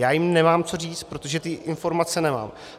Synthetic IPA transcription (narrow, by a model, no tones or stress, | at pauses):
jaːjɪmnɛmaːmt͡so̞riːt͡st̪̚pɾot̪oʒɛt̪ɪʔɪnfo̞ɾmat͡sɛnɛma̰ːm